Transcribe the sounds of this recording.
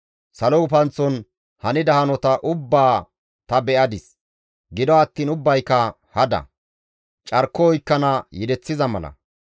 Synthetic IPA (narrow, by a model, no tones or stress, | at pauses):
sɐlɔʊfɐnt͡sːɔn | hɐnɪd̪ɐhɐnɔt̪ɐʔʊbːaː | t̪ɐbɛʔɐd̪ɪs | ɡɪd̪ɔɐt̪ːiːnʊbːɐjkːɐ | hɐd̪ɐ̰ | t͡ʃʼɐɾkːɔɔjkːɐnɐjɪd̪ɛt͡sːɪzɐmɐ̰lɐ̰